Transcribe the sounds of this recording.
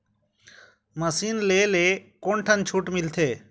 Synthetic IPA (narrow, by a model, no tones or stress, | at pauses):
məsiːnleːleːkoɳʈʰənt͡ʃʰuːʈmɪlt̪ʰeː